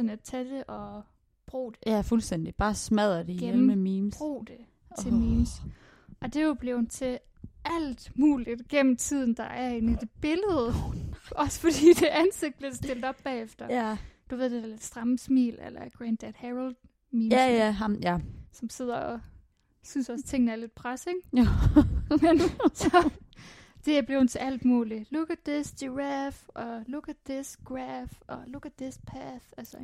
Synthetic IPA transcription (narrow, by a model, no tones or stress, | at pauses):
næt͡sʰæd̥e̝ʔɒ̽ | b̥ʁṵːd̥e̝fulsd̥en̰d̥ib̥ɑ̈ːsmæð̞̰ˠɐd̥eɡjeemmemiːmsʁo̰ːd̥e | t͡sʰe̝miːms | ʔɒ̽d̥e̝ob̥le̝ʊnt͡sʰe̝ | æl̰d̥muːlid̥ɡ̥em̰m̩t͡sʰið̞̰ˠn̩d̥ɑ̈ʔæɐe̝ːnid̥e̝b̥e̝ləð̩ˠɒ̽sə̥fɒ̽d̥ḭːd̥e̝ʔænse̝ɡ̥̚d̥lsd̥e̝ld̥ɒ̽b̥b̥ɛ̰ːefd̥ɐd̥uʋe̝ð̰ˠd̥ed̥æled̥sd̥ʁɑ̈msmḭːlḛlɐɡ̥ʁænd̥æd̥hæʁld̥ | miːnæjæɦɑmjæsɒ̽mse̝ð̰ˠɐɒ | synsɒ̽st͡sʰe̝ŋ̰n̩æɐle̝d̥pʰʁaseŋ | mensɒ̽ | d̥e̝b̥le̝ʊhn̩t͡sʰe̝æl̰d̥muːliluɡ̥æd̥ːesd̥iʁæfʔɒ̽luɡ̥æd̥ðesɡ̥ʁæfɒ̽luɡ̥æd̥ðespʰæθælsɐ